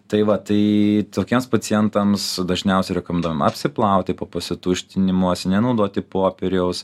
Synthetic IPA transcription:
t̪ɐɪʋɐt̪ɐɪt̪oːkʲiɛmspɐt͡s̪ʲɪjɛnt̪ɐmsd̪ɐʒʲnʲɛʊsʲɛɪɾʲɛkoːmʲɛnd̪uːʋmɐ̰pʲsʲɪplˠɐʊkt̪ʲɪpoːpɐsʲɪt̪uʃʲt̪ʲɪnʲɪmuɔsʲnʲɛnɐʊd̪oːt̪ʲɪpoːpʲɛɾʲɛʊs

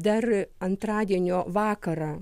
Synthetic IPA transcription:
d̪ɐrɐnt̪ɾɑːd̪ʲiɛnʲoːʋɑːkɐɾɑ

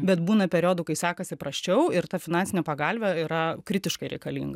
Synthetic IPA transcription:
bʲɛt̪buːnɐpʲɛɾʲoːd̪ʊkɐɪsʲæːkɐsʲɪpɾɐsʲt͡ʃʲɛʊɪɾt̪ɐfʲɪnɑːnʲsʲɪnʲɛpɐɡɐlʲʋʲɛiɾɐkɾʲɪt̪ʲɪʃkɐɪɾʲɛ̰ɪkɐlʲḭːŋɡɐ

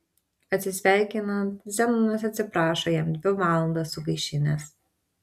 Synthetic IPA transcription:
ɐt̪ʲsʲɪsʲʋʲæˑɪkʲɪnɐnt̪zʲɛmɐnɐs̬ɐt̪ʲsʲɪpɾɑːʃojɛmd̪ʲʋʲɪʋɑːlˠɐnd̪ɐsʊɡɐɪʃʲɪnʲɛs

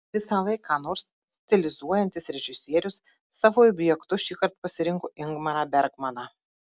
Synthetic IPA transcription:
ʋʲɪsɑʋɐɪkʰɑːnoːɾs | t̪ʲɛlʲɪzuɔjɛnʲt̪ʲɪsɾʲɛʒʲɪsʲeːɾʲʊsː | ɑːʋoːɔbʲjɛkt̪ʊʃʲiːkɐɾt̪̚pɐsʲɪɾʲɪŋkoʔɪŋɡmɐɾɑbʲɛɾɡmɐnɑ

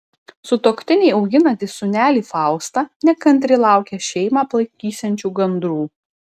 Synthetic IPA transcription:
sʊt̪oːkʲt̪ʲɪnʲɛɪɐʊɡʲɪnɐt̪ʲɪsʊnʲæːlʲiːfɑˑʊst̪ɑːnʲɛkɐnʲt̪̬ʲɾʲɪlˠɑˑʊkʲɛʃʲɛɪmɑːplˠɐɪk̪ʲiːsʲɛnʲt͡ʃʲuːɡɐnd̪ɾuː

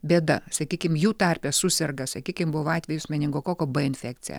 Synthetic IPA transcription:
bʲeːd̪ɐsɐkʲiːkʲɪmjuːt̪ɑrʲpʲɛsʊsʲɛrɡɐsɐkʲiːkʲɪmbʊʋɐɑːt̪ʲʋʲɛjʊsʲmʲɛnʲɪŋɡoːkoːkoːbɐɪnʲfʲæːk̚t̪sʲɪ̰jɛ̰

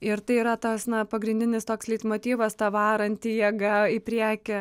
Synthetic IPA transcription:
ɪɾt̪ɐɪiːɾɐt̪oːsnɐpɐɡɾʲɪnʲd̪ʲɪnʲɪst̪oːkslʲiːt̪moːt̪ʲiːʋɐst̪ɑʋɑːɾɐnʲt̪ʲɪjɛɡɐɪpʲɾʲæːkʲɛ

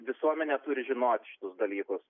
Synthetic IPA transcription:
ʋʲɪsuɔmʲɛnʲɛt̪uːɾʲɪʒʲɪnoːt̪ʲʃʲɪ̥t̪ʊsd̪ɐlʲiːkʊs

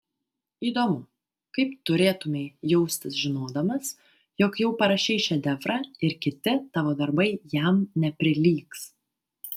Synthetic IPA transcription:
iːd̪oːmʊ | kɐɪpt̪ʊɾʲeːt̪ʊmʲeɪjɛʊsʲt̪ʲɪsʒʲɪnoːd̪ɐmɐs | jɔkjɛʊpɐɾɐʃʲɛɪʃʲɛd̪ʲɛfɾɑɪɾkʲɪt̪ʲɪt̪ɑːʋoːd̪ɐɾbɐɪjæmnʲɛpʲɾʲɪlʲiːks

